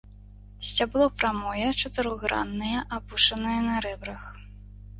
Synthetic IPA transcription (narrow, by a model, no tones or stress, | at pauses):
sʲt͡sʲablˠɔpɾamɔjɐt͡ʂɐt̪ɨɾɔɣɾa̰nːɐjɐʔabuʂɐnɐjɛnɐɾɛbɾɐx